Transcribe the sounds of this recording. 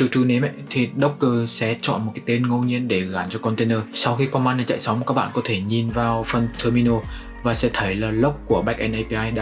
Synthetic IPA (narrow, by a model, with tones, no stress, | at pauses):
t̪ɨ˨˧˩t̪ʰu˧ne˨˦mʔə˧˨t̪ʰi˨˩ɗə˦˥wk͡p̚kə˧sɛ̰˧˥t͡ɕɔ̰˧˨nm˨˩t̚kaː˨˦t̪e˧nŋo˧wɲi˧ənɗe˧˩ɣaː˨˩nt͡ɕɔ˧kɔ˧nt̪e˧nəː˧sa˧wxi˧kɔ˧ma˧na˨˩t͡ɕa̰ː˧˨jsa˨˦wŋ͡mkaː˦˥k̚ɓa̰ː˧˨kɔ˨˦t̪ʰe˧˩ɲi˨˩nvaː˨˩wfə˨˩nt̪ʰəː˧mi˧no˧ | vaː˨˩sɛ̰˧˥t̪ʰə˨˦jlaː˨˩lə˦˥wk͡p̚ku˧˩əɓɛ˦˥k̚ʔɛ˧nʔə˧jpi˧ʔaː˧jɗa̰ː˧˥